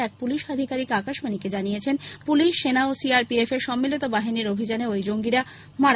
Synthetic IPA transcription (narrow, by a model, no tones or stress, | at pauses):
ɛk̚puliʃad̪ʱikaɾikakaʃmaniked͡ʑanijet͡ɕʰenpuliʃːenaosiaɾpiefeɾʃɔmːilit̪obaɦiniɾobʱid͡ʑaneojd͡ʑoŋɡiɾa | maɾ